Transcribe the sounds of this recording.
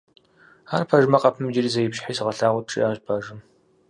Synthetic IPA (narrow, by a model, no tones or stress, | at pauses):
aːrpʰɐʒmɐqʼɐpʰɨmd͡ʒɪriːzɐjɪpɕħiːsɨʁɐɬaːʁʷʊtʈ͡ʂʼḭaːʒʷbʰɐʒɨm